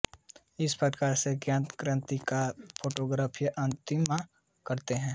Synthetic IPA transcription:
ɪspɾəkaːɾseɡjãːnt̪kɾə̃nt̪ikapʰoːʈoːɡɾaːpʰijʔɐ̃nt̪ɪmːã | kɐɾt̪eɦɛ̃ː

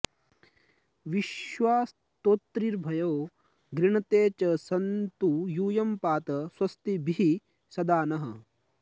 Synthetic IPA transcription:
ʋiʃʋaːs | t̪oːt̪ːɾiɾbʱɐjoː | ɡɾiɳɐt̪eːt͡ʃɐsɐnt̪ujuːjɐmpaːt̪ɐswɐst̪ibʱiɦi | sɐd̪aːnɐɦɐ̰

